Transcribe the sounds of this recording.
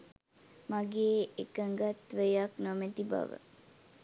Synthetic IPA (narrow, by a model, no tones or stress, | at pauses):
maɡeːekəŋɡat̪ʋəjaknomɛt̪iba̰ʋə̰